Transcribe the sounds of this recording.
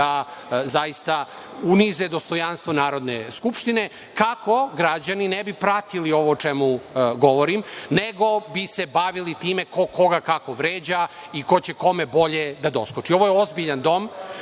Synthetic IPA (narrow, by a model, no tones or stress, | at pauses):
azajist̪a | unized̪ost̪o̞janst̪ʋo̞naːɾo̞d̪neskupʃt̪ine̞ | kakʰo̞ɡɾad͡ʑaninebipɾat̪ilio̞ʋot͡ʃemuɡo̞ʋoɾimneɡo̞bise̞baʋilit̪iːme̞ko̞ko̞ɡakako̞ʋɾeːd͡ʑa | iko̞t͡ɕeko̞me̞bo̞ʎed̪ad̪o̞skot͡ʂio̞ʋojeo̞zbiʎand̪o̞m